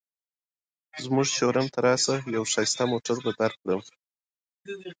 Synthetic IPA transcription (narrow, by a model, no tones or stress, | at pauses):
zmuʐt͡ʃoɾant̪ʰaɾɑsajawʂɑjst̪amoʈaɾbad̪aɾkɽəm